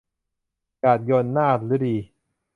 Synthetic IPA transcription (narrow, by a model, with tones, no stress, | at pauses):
kaː˨˩t̪̚jo˧nːaː˥˩t̪̚lɯ˦˥ɾiː˧